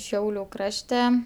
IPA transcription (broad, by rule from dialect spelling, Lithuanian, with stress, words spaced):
ˈʃʲɛʊlʲʊ ˈkrɑːʃʲtʲɛ